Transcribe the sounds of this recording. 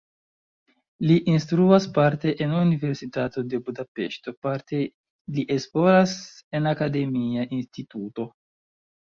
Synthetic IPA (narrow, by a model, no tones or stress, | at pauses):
liʔinstɾuaspaɾte̞ʔenunive̞ɾsitato̞de̞budape̞̰ʃto̞paɾte̞ | liʔe̞splo̞ɾase̞nakade̞miaʔinstituto̞